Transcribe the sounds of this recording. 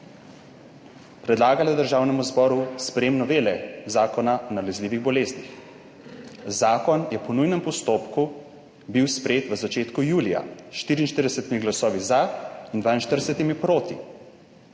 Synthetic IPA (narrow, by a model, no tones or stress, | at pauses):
pɾɛd̪laːɡalad̪əɾʒaːwnɛmuzbɔːɾuspɾɛjeːmnɔʋeːlɛzaːkɔnaɔnalɛzliːʋiɣbɔleːznix | zaːkɔnjɛpɔnujnɛmpɔst̪oːpku | biwspɾɛjeːt̪ʋəzat͡ʃeːt̪kujuːlija̰ʃt̪iːɾiːnʃt̪əɾd̪ɛsɛt̪imiɡlasɔːʋizaind̪vaːinʃt̪əɾd̪ɛsɛt̪imipɾoːt̪ḭ